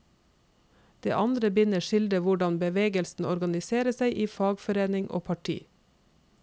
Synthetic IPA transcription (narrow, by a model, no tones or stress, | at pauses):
d̪̥ḛːʔɑnd̪ɾəbʏnəʃɪld̪əʋʊɖɑnbəʋeːɡəlsn̩ɔɾɡɑnɪseːɾəsæɪʔiːfɑːɡfɔɾeːnɪŋʔo̰ːpʰɑʈʰḭː